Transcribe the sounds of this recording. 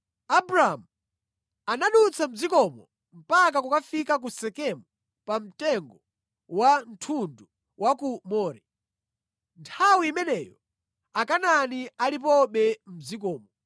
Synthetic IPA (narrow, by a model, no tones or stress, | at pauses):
abɾaamu | anaɗut͡sʰam̩zikɔmɔ | m̩pak̬akukafikak̬usɛkɛmɔ | pam̩tɛŋɡɔ | wan̩tʰundu | wʔakumɔːɾɛ | ntʰawiːmɛnɛjɔ | akananialip̬ɔɓɛm̩zikɔːmɔ